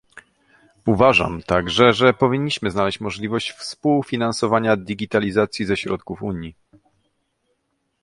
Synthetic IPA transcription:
uvaʐa̰mt̪aɡʐɛʐɛpɔvʲiɲːiɕmɘznalɛɕt͡ɕmɔʐlʲivɔɕt͡ɕfspuwfʲinansɔvaɲad̪ʲiɡʲit̪alʲizat̪sʲjizɛɕɾɔt̪kufuɲji

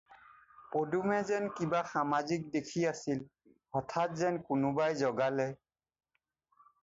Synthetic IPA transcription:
podumɛzɛnkibaxamazik̚dekʰiasil | ɔtʰat̚zɛnkʊnʊbajzɔɡalɛ

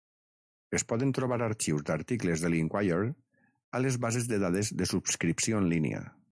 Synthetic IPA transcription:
espɔðənt̪ɾuβaɾaɾt͡ʃiwzðaɾt̪iklezðəliŋkwajeɾ | alezβazezðəðaðezðəsupskɾipsioənlinḛə̰

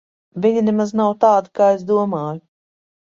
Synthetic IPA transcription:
vʲiɲinemaznawt̪aːd̪ikaːezd̪uɔmaːju

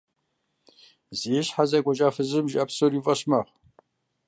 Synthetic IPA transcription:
ziɛɕħazɐkʷʼɔʒaːfɨzɨmʒʔɐpsoɾivʼɐɕmɐʁ

